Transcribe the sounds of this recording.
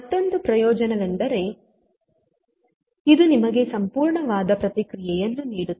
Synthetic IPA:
ɐt̪ːond̪upɾɐjɔːd͡ʒɐnɐʋend̪ɐɾe̞ | id̪unimɐɡe̞sɐmpuːɾɳɐʋaːd̪ɐpɾɐt̪ikɾijɛjɐnːuniːɽut̪ː

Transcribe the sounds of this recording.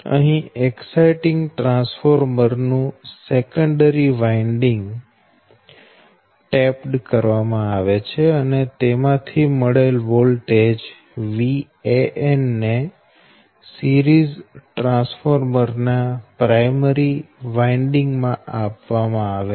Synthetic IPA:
ə̰ɦĩeksaiʈɪ̃ŋɡʈɾãsfoɾməɾnũsekəɳɖəɾiʋaiɳɖiŋɡ | ʈɛpɖkəɾʋamãaʋet͡ʃʰeənet̪emãt̪ʰimoɽelʋolʈed͡ʒ | ʋi | eʔenːe | siɾizʈɾãsfoɾməɾnapɾajməɾiʋaiɳɖiŋɡmãapʋamãaʋe

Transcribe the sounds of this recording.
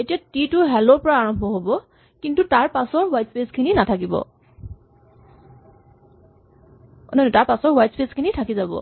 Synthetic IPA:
etijatitʊɦɛlɔɹpɔɹaːɹɔmbʱɔɦobɔ | kintutaɹpasɔɹwajtspeskʰininatʰakibɔ̰ | nɔnetaɹpasɔɹwajtspeskʰinitʰakizabɔ̰

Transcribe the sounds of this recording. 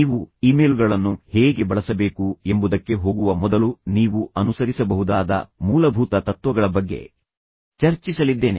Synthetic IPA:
iːʋuiːmeːlɡɐɭɐnːuheːɡe̞bɐɭɐsɐbe̞ːkuembud̪ɐkːe̞ɦo̞ːɡuʋɐmɔd̪ɐluniːʋuɐnusɐɾisɐbɐɦud̪aːd̪ɐ̰muːlɐbʱuːt̪ɐt̪ɐt̪ʋɐɡɐɭɐbɐɡːe̞̰ | t͡ʃɐɾt͡ʃisɐlid̪ːe̞ːne̞̰

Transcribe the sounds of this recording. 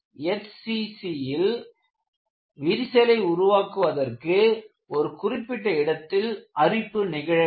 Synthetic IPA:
ɛtsisijɪl | ʋiɾɪsɛlɐɪʊɾʊʋaːkɯʋɐðɐrkɯ | ɔɾɯkʊrɪpːɪʈːɐɪɽɐt̪ːɪlʔɐrɪpːɯnɪɣɐɻɐ

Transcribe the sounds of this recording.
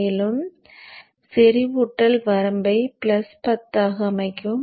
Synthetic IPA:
ɪlɯm | sɛɾiʋʊʈːɐlʋɐɾɐmbɐɪpɪlɐspɐt̪ːaːɣɐːmɐɪkːɯm

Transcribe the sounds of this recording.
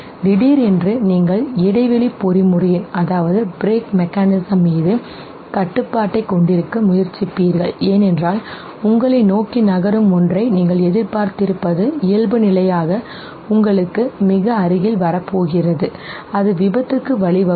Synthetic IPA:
d̪ɪɽiːɾɛndrɯniːŋɡɐɭɪɽɐɪʋɛɭipːɔɾimʊrɯjɯnɐðaːʋɐðɯbɾeːkmɛkːaːnɪsɐmːiːðɯ | kɐʈːɯpːaːʈːɐɪkːɔɳɖɪɾɯkːɯmʊjɐɾt͡ʃːɪpːiːɾɣɐɭeːnɛndraːl | ʊŋɡɐɭɐɪnoːkinɐɣɐɾɯmɔndrɐɪniːŋɡɐɭɛðɪɾpaːɾt̪ɪɾɯpːɐðɯɪjɐlbɯnɪlɐjaːɣɐ | ʊŋɡɐɭɯkːɯmɪɣɐɐɾɯɣɪlʋɐɾɐpːoːɣɪrɐðɯ | ɐðɯʋɪbɐt̪ːɯkːɯʋɐɭɪʋɐ

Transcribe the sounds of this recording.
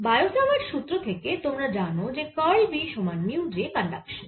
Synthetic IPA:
bajosamaɾʃut̪ːɾot̪ʰeket̪omɾad͡ʑanod͡ʑekɔjbiʃomanmiuɖɾipanɖakʃan

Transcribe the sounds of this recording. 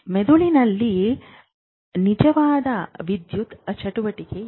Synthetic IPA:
med̪uɭinɐlːi | nid͡ʒɐʋaːd̪ɐʋid̪jut̪ɐt͡ʃʰɐʈuʋɐʈike

